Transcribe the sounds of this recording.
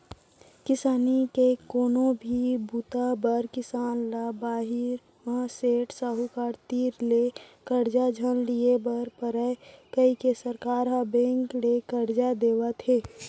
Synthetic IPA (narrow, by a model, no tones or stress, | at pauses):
kɪsaːnikekoːnõbʱibuːt̪abəɾkɪsaːnlabaːɦɪɾ | mãseːʈsaːɦukaːɾt̪iːɾlekəɾd͡ʒad͡ʒʱənliebəɾpəɾəkəikesəɾkaːɾɦabẽːŋklekəɾd͡ʒad̪eːwat̪ʰeː